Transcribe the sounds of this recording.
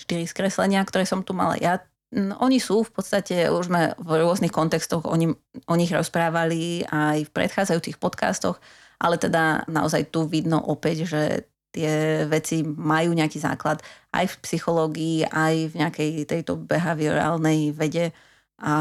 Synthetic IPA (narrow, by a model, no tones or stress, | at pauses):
ʃt̪iɾiskɾɛslɛɲɪak̚t̪ɔɾɛːsɔmt̪uma̰la̰ja | ʔɔɲisuːfpɔt̪st̪acɛuʒzmɛvɾʊɔznixkɔnt̪ɛkst̪ɔɣɔ̰ɲiɔɲiɣɾɔspɾaːʋaliajfpɾɛ̰t̪xaːd͡zajuːt͡sixpɔt̪ka̰ːst̪ɔx | ʔa̰lɛt̪ɛd̪ana̰ɔzajt̪uʋid̪nɔ̰ʔɔpɛɟʒɛ̰ | t̪ɪɛʋɛt͡simajuːɲɛakiːza̰ːklat̪ʔa̰jfpsixɔlɔːɡiːʔajvɲɛakɛjt̪ɛjt̪ɔbɛɦaʋiɔ̰ɾɛ̰a̰ːlnɛjʋɛɟɛ | a